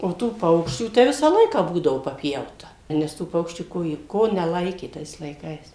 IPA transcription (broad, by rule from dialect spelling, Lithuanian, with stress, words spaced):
oː ˈtuː ˈpɐʊkʃʲt͡ʃʲuː tɐɪ ˈʋʲɪsɑː ˈlˠɐɪkɑː ˈbuːdɐʋoː pɐˈpʲjɛʊtɐ nʲɛs ˈtuː ˈpɐʊkʃʲt͡ʃʲuː ˈkoː jiɛ ˈkoː nʲɛˈlˠɐɪkʲeː ˈtɐɪs lˠɐɪˈkɐɪs